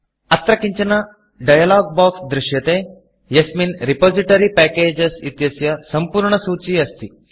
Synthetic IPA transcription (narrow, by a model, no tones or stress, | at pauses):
ɐt̪ɾɐkiɲt͡ʃɐnɐ | ɖɐjɐlaːɡ̚baːksd̪ɾɪʃjɐt̪eː | jɐsminɾipoːziʈɐɾipɛːkeːd͡ʒɐsit̪jɐsjɐsɐmpuːɾɳɐsuːt͡ʃiɐst̪i